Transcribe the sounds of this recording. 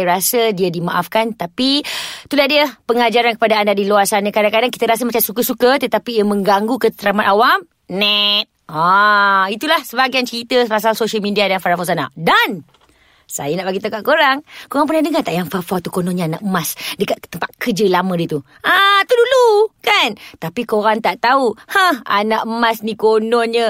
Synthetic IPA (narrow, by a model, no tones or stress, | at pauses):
ɾasədiədimaʔafkant̪apit̪ulahdiəpəŋad͡ʒaɾankə̥padaːndadiloarsanakadaŋkadaŋkit̪əɾas̬əmat͡ʃamsukəsukət̪ət̪apiːəmə̃ŋɡaŋɡukət̪ɾamat̪awam | nɛt̪̚ait̪ulahsəbaɡiant͡ʃəɾit̪əspas̬alsoʃalmidiadanfaɾafasana̰dan | sa̰jənaʔbaɡit̪akaʔkoɾaŋkoɾaŋp̬unahdəŋat̪aʔjaŋfafat̪ukonɔ̃nɲəanaʔəmasdəkat̪̚t̪əmpat̪̚kəd͡ʒəlamə̃dit̪u | ʔat̪udulukant̪apikoɾaŋt̪aʔt̪auhãha̰naʔəmasnikonɔnɲə